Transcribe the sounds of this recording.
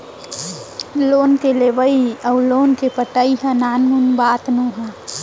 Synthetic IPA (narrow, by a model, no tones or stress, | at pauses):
lonkelebəiəwlonkepəʈəiɦə̃nanmunbat̪nuɦə̃